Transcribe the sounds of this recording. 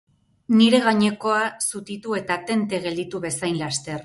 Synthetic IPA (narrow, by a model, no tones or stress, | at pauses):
niɾe̞ɣaɲe̞ko̞asut̪it̪ue̞t̪at̪e̞nt̪e̞ɣe̞ld̪it̪uβe̞sajnlast̪e̞r